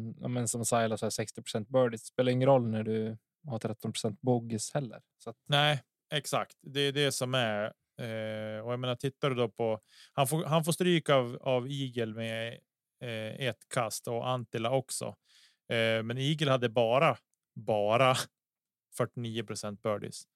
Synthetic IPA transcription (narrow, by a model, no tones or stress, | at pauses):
ja̰mɛnsɔmsajlasæsɛkst̪ɪpʰɾ̥ʊsɛnt̪̚bœːɖɪsspeːlaɾɪŋːənɾɔlːnæɖɵ | hɑːt̪ʰɾɛt̪ːɔnpɾʊ̥sɛnt̪̚bʊɡɪshɛlːə̰ɾsat̪næɪ | ɛksakt̪d̪ɛːɖ̪ɛsɔmæɾ | ɔjajmeːnaɾt̪ʰɪt̪ːaɖɵd̪ɔpʰɔ | hanfoːɦanfoːʂst̪ɾyːkavaviːɡəlmɛ | et̪kʰast̪ɔʔant̪ɪlaɔksɔ̰ | mɛniːɡəlhad̪ːəbɑːɾa | bɑːɾa | fœʈːɪniːəpʰɾʊsɛnt̪̚bœːɖɪ̰s